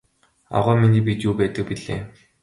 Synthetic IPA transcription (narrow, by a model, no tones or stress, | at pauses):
a̰ʁœːminiːp̬ʲit̪jupæːt̪ə̆k̚piɮḛː